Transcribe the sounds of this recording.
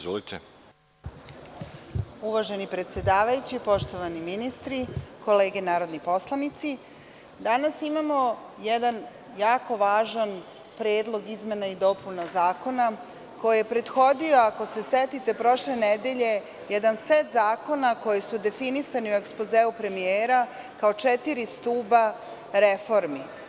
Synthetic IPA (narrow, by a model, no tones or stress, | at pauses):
zolit̪e | uʋaʒe̞nipɾet̪sje̞d̪aːʋajut͡ɕipo̞ʃt̪o̞ʋaniminist̪ɾiko̞le̞ːɡenaːɾo̞d̪nipo̞slˠanit̪si | d̪anasimamo̞ | jɛd̪an | jaːko̞ʋaːʒan | pɾeːd̪lˠo̞ɡizme̞naid̪o̞punazaːko̞na | ko̞jijepɾe̞d̪xo̞d̪io̞ako̞se̞set̪it̪e̞pɾo̞ʃle̞ned̪e̞ʎe̞ | jɛd̪anset̪zaːko̞nako̞jesud̪e̞finisaniue̞kspozeːupɾe̞mieːɾa | kao̞t͡ʃet̪iɾist̪uːba | ɾefo̞ɾmi